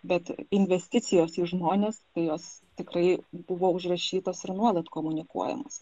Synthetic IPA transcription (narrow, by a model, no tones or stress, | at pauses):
bʲɛt̪ɪnʲʋʲɛsʲt̪ʲɪt̪sʲɪjoːsiːʒmoːnʲeːst̪ɐɪjoːst̪ʲɪkrɐɪbʊʋoːʊʒrɐʃʲiːt̪oːsɪɾnuɔlˠɐt̪koːmʊnʲɪkṵɔjɛ̰mo̰ːs